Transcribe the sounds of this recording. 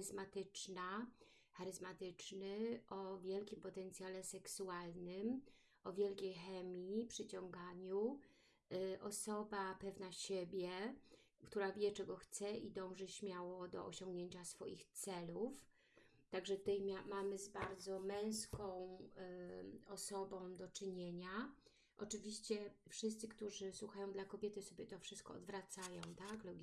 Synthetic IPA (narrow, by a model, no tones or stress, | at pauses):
zmat̪ɘt͡ʂna | xaɾɘzmat̪ɘt͡ʂnɘʔɔvʲjɛlkʲimpɔt̪ɛnt̪sʲjalɛsɛksualnɘm | ʔɔvʲjɛlkʲejxɛmʲjipʂɘt͡ɕɔŋɡaɲu | ʔɔsɔbapɛvnaɕebʲjɛ | kt̪uɾavʲjɛt͡ʂɛɡɔxt̪sɛid̪ɔ̃w̃ʐɛɕmʲjawɔd̪ɔ̰ɔɕɔ̃ŋɡɲeɲt͡ɕasfɔjixt̪sɛluf | t̪aɡʐɛt̪ɛjmʲamamɘzbaɾd̪zɔmɛ̃w̃skɔ̃w̃ | ɔsɔbɔ̃w̃d̪ɔt͡ʂɘɲeɲa | ʔɔt͡ʂɘvʲiɕt͡ɕɛfʂɘst̪sɘkt̪uʐɘswuxajɔ̃w̃d̪lakɔbʲjɛt̪ɘsɔbʲjɛt̪ɔfʂɘst̪kɔ̰ɔ̰d̪vɾat̪sajɔ̃w̃t̪aklɔɡʲ